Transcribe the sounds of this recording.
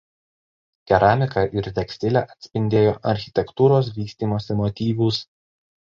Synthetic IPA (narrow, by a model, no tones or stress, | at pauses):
k̪ʲɛɾɑːmʲɪkɑʔɪɾt̪ʲɛksʲt̪ʲɪlʲɛʔɐt̪ʲsʲpʲɪnʲd̪ʲeːjoːʔɐɾʲxʲɪ̥t̪ʲɛkt̪uːɾoːs̬ʋʲiːsʲt̪ʲiːmoːsʲɪmɔt̪ʲiːʋuːs